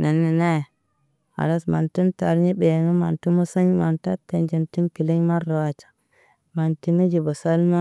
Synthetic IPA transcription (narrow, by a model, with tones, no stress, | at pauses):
na˨nːi˨na˦˨ | a̰˨ɾa˦sma˨nti˦nta˨ɾɲi˦be˨jno˦ma˨ntu˦mo˦sa˦ɲ˦ma˨nta˦tːe˨nd͡ʒe˨nti˦nki˨le˦ɲ˦ma˦ɾːo˨wa˨t͡ʃḁ˨ | ma˨nti˨˦na˦d͡ʒi˨bo˨sa˦lma˦